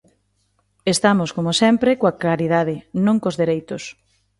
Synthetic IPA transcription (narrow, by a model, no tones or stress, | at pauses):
est̪amoskomosɛmpɾekoaklaɾið̞aðɪnõŋkozðeɾejt̪ʊs